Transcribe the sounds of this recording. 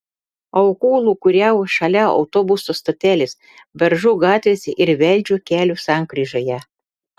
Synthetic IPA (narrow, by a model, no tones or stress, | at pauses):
ɐʊkuːlˠuːkʊɾʲɛʊʃɐlʲæɒ̰ʊt̪oːbʊsoːst̪oːt̪ʲæːlʲɪs | bʲɛɾʒʊɡɑːt̪ʲʋʲeːsʲɛʔɪɾʋʲɛlʲd͡ʒʲuːkʲæːlʲuːsɑˑŋkɾʲiːʒoːjɛ